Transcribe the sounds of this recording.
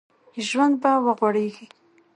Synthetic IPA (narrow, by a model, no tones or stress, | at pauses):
ʒwand̪̚bawəɣwaɽeɡi